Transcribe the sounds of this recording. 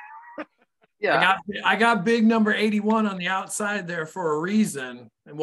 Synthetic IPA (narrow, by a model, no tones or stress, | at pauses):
æɪɡɑt̚b̥ɪaɪɡɑt̚b̥ɪɡ̚nʌ̃mbə˞eɪɾiwʌ̃nə̃nðiaʊtsaɪd̪̚ðə˞fə˞əɹizɨ̃n | ɨ̃nw